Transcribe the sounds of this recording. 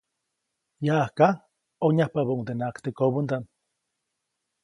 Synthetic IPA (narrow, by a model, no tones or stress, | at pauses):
jaːhka | oɲahpaβauŋd̪enakt̪ekoβund̪an